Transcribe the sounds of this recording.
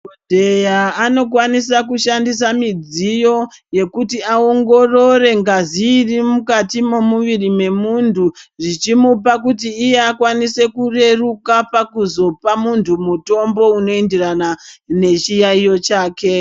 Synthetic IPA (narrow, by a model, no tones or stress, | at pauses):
odʱe̞jaːno̞kwanisakuʃandisamid͡zijo̞je̞kutiaoŋɡo̞ro̞re̞ŋɡaziːrimukatimo̞muʋirime̞muntʰuʐit͡ʃimupakutiːje̞akwanise̞kure̞rukapakuzo̞pamuntʰumuto̞mbo̞uno̞enderanane̞t͡ʃijaijo̞t͡ʃaːke̞